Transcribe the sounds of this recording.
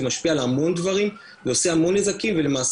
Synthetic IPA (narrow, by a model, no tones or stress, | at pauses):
maʃpialamo̞nd̪vaʁim | zeoseamo̞nezakimvele̞maːs